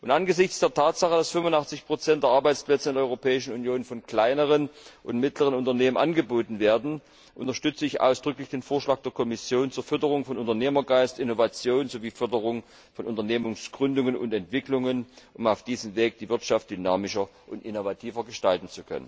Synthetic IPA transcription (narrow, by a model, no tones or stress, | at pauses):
ʔʊntʔanɡəzɪçt͡sd̥eːɐtʰaːtz̥aχəd̥asfʏmvʊntaχt͡sɪçpʁ̥ot͡sɛntd̥eːɐʔaɐbaɪt͡splɛt͡səɪndʔɔʏʁopʰɛːɪʃn̩unjoːnfɔnkl̥aɪnəʁ̞ənʔʊntmɪtləʁ̞ənʊntɐneːmənʔanɡəboːtn̩veːɐdn̩ | ʔʊntɐʃtʏt͡səɪçʔa̰ʊsd̥ʁʏklɪçd̥eːnfoːɐʃlaːk̚d̥eːɐkʰɔmɪsjoːnt͡suːɐfʏɐtəʁ̞ʊŋfɔnʔʊntɐneːmɐɡaɪstʔɪnovat͡sjoːnzoviːfʏɐdəʁʊŋ | fɔnʊntɐneːmʊŋsɡ̥ʁʏndʊŋənʊ̰ntɛntv̥ɪklʊŋənʔʊmaʊfd̥iːzəmveːk̚d̥iːvɪɐtʃaftd̥ynaːmɪʃɐ | ʔʊntɪnovatʰiːvɐɡəʃtaltn̩t͡sukʰœ̰nə̰n